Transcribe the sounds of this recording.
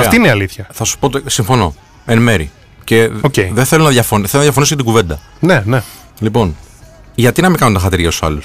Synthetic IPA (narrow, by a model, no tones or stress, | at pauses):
ɐftɐiineɐliθçɐθɐsu̥pot̪isiɱfo̞no̞ | enme̞ɾḭ | ce̞oceiðeθe̞lunɐðʝɐfo̞nθelunɐðʝɐfo̞niscet̪ɡuve̞nd̪ɐ | nene | lipo̞nʝɐt̪inɐmikɐnunt̪ɐxɐt̪iɾʝɐt̪u̥sɐ̰lus